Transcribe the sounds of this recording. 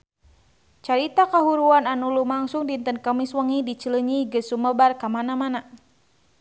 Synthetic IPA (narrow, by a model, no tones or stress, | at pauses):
t͡ʃaɾit̪akaɦuɾuananulumaŋsuŋdint̪ənkəmiswəŋidit͡ʃələɲiɡəsuməbarkamanamana